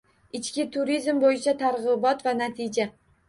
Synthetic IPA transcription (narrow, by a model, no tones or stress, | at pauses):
ɪt͡ʃkʲɪt̪ʰʊɾizmbojɪt͡ʃʰat̪ʰaɾʁɨbɒt̪vanat̪ʰɪd͡ʒa